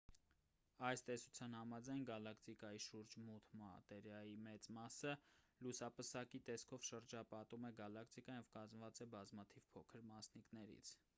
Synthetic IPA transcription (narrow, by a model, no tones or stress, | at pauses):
ɑjst̪ɛsu̥t͡sʰjɑnhɑmɑd͡zɑjnɡɑlɑkʰt̪ikɑjiʃuɾd͡ʒmut̪ʰmɑ̰t̪ɛɾjɑjimɛt͡smɑsəlusɑpəsɑkit̪ɛskʰɔvʃəɾd͡ʒɑpɑt̪umɛɡɑlɑkʰt̪ikɑnjɛvkɑzməvɑt͡sɛbɑzmɑt̪ʰivpʰɔkʰəɾmɑsniknɛɾḭt͡sʰ